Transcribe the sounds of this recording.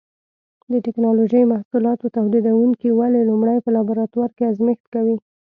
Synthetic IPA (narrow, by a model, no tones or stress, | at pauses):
d̪əʈɪknɑloʒəjmahsulɑt̪ot̪awd̪id̪awuŋkiwalelumɽajpəlɑbaɾɑt̪waɾkeazmext̪kawi